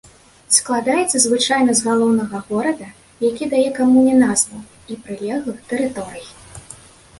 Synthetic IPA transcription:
sklˠad̪ajɛt̪sːɐzvɨt͡ʂajnɐzɣalˠɔwnɐɣɐɣɔɾɐd̪ɐ | jakʲid̪ajɛkamunʲɛnazvɐ | ipɾɨlʲɛɣˠɨxt̪ɛɾɨt̪ɔɾɨji

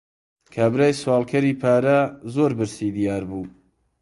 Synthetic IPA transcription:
kʰaːbɾaːjswɑːlˠkʰɐɾiːpʰaːɾɐzoːɾbɨɾsid̪ijaːɾbuː

